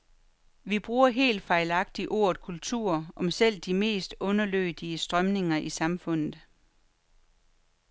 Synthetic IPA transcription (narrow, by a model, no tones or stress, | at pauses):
ʋib̥ʁuːɐɦe̝̰ːld̥fɑ̈ɪlɑ̈ɡ̥̚d̥iʔo̝ɐ̰ð̥kʰult͡sʰṵɐ̰ɒ̽msel̰d̥ime̝̰ːsd̥ɔ̽nɐlø̰ːd̥iəsd̥ʁɶmne̝ŋɐʔisɑ̈mfɔ̽n̰ð̩ˠ